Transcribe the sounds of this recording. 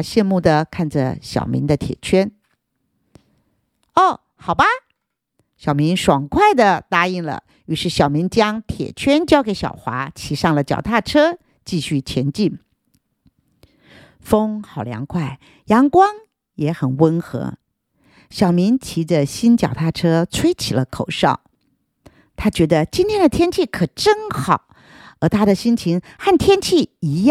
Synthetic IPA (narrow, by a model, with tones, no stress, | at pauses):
ɕjɛ˥˧nmu˥˩d̪ə˩kʰa˥˩nʈ͡ʂə˩ɕjɑ̰˨˩ʊmḭ˧˥nd̪ə˧t̪ʰjɛ̰˨˩t͡ɕʰɥɛ˥n | ɔ˥˩ | xɑ˨˩ʊba˦ | ɕjɑ˨˩ʊmi˧˥nʂwɑ˨˩ŋkʰwa˥˩ɪd̪ə˨˩t̪a˥i˥˩ŋlə̰˩ | y˧˥ʂɻ̩˥˩ɕjɑ˨˩ʊmi˧˥ŋt͡ɕjɑ˥ŋt̪ʰjɛ̰˨˩t͡ɕʰɥɛ˥nt͡ɕjɑ˥ʊke˧˥ɪɕjɑ̰˨˩ʊxwa̰˧˥t͡ɕʰi˧˥ʂɑ˥˩ŋlə˩t͡ɕjɑ̰˨˩ʊt̪ʰa˥˩ʈ͡ʂʰɤ˥ | t͡ɕi˥˧ɕy˥˩t͡ɕʰjɛ˧˥nt͡ɕi˥˩n | fo˥ŋxɑ˨˩ʊljɑ̰˧˥ŋkʰwa˥˩ɪ | jɑ˧˥ŋkwɑ˥ŋ | jɛ˧˥xə˨˩nwə˥nxɤ̰˧˥ | ɕjɑ˨˩ʊmi˧˥nt͡ɕʰi˧˥də˧ɕi˥nt͡ɕjɑ˨˩ʊt̪ʰa˥˩ʈ͡ʂʰɤ˥t͡sʰwe˥ɪt͡ɕʰi˨˩lə˦kʰo˨˩ʊʂɑ̰˥˩ʊ | t̪ʰa˥t͡ɕɥɛ˧˥d̪ə˧t͡ɕi˥nt̪ʰjɛ˥nd̪ə˨t̪ʰjɛ˥nt͡ɕʰi˥˩kʰɤ˨˩ʈ͡ʂə˥ŋxɑ˨˩˦ʊ | ə˞˧˥t̪ʰa˥d̪ə˨ɕi˥nt͡ɕʰi˧˥ŋxa˥˩nt̪ʰjɛ˥nt͡ɕʰi˥˩i˧˥j